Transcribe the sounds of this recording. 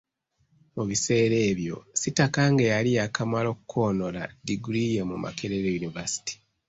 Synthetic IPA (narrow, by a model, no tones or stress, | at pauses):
muβise̞ːɾe̞ːβjo̞̰sitakaŋɡejalijakʰamalo̞ːkukʰo̞ːno̞ladiɡuɾije̞muma̰kʰeɾeɾejunivasi̥ti̥